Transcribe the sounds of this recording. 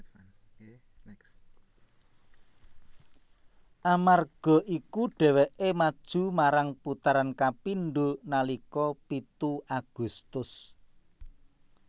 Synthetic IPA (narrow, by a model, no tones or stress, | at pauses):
ʔamarɡ̥ɔ̤ʔikuɖ̥ɛ̤wɛʔemad̥ʒ̥ṳmaɾaŋput̪aɾankapinɖunalikɔpit̪uaɡ̥ṳst̪ʊs